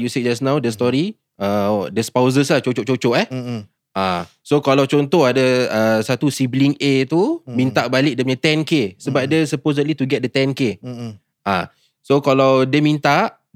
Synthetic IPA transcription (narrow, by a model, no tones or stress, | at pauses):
jusiʔ̚d͡ʒasnãwdəst̪ɔɾi | adəspawzəslaht͡ʃot͡ʃoʔ̚t͡ʃot͡ʃɔʔɛ | ã | sokalawt͡ʃɔnt̪ɔhadəəsat̪usibliŋet̪umĩnt̪aʔbalɪk̚dəməɲãt̪ɛ̃nkesəbap̚dəsəposədlit̪uɡɛt̪̚dət̪ɛ̃nke | ã̰ | sokalawdəmĩnt̪aʔ